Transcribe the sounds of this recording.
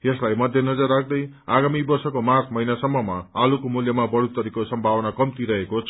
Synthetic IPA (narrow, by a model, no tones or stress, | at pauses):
jeslajmʌd̪ʱjenʌd͡zʌrːak̚ʰd̪ʌj | aɡamibʌrsʌkomat̪ʰmʌjnasʌmːʌmaːlukomuljʌmabʌɽut̪ʌɾikosʌmbʱawʌnakʌmt̪iɾʌɦekot͡sʰ